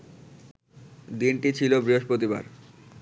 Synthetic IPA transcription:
d̪inʈit͡ɕʰilobɾiɦoʃpɾot̪iba̰ɾ

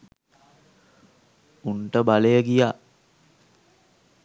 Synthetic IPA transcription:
unʈəbaləjəɡija

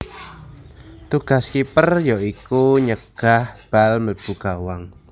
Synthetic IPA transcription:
t̪uɡ̥a̤skipərjɔikuɲəɡ̥ahb̥alməb̥uɡ̥awaŋ

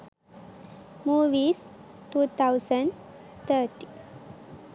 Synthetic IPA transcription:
muːʋiːs | ʈuːt̪ʰawsəɳɖ | t̪ʰəːʈi

